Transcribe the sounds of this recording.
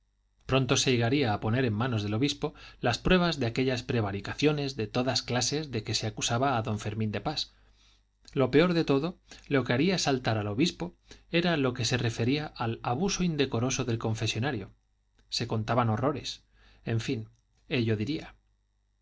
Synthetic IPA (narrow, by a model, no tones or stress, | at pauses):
pɾo̞nt̪o̞seeɣaɾiaːpo̞ne̞ɾe̞mːãno̞zðelo̞βispo̞laspɾwe̞β̞azðe̞ake̞ʎaspɾe̞β̞aɾikaθjo̞ne̞zðe̞t̪o̞ðasklase̞zðe̞ke̞seakusaβaːðo̞ɱfe̞ɾmĩnd̪e̞pas | lo̞pe̞o̞ɾðe̞t̪o̞ðo̞lo̞ke̞aɾiaesalt̪aɾalo̞βispo̞e̞ɾalo̞ke̞se̞re̞fe̞ɾiaʔalaβuso̞ind̪e̞ko̞ɾo̞so̞ðe̞lko̞ɱfe̞sjo̞naɾjo̞ | se̞ko̞nt̪aβano̞ro̞ɾe̞s | e̞ɱfin | e̞ʎo̞ðiɾia